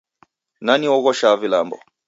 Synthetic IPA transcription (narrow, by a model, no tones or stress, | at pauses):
naniɔɣɔʃavilambɔ̰